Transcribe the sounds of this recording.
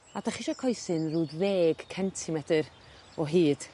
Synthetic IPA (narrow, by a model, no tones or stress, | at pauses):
ad̥aχiʃakʰɔjsɨnruːdveːɡ̥kʰɛntʰɪmɛdɨr | ɔɦiːd̥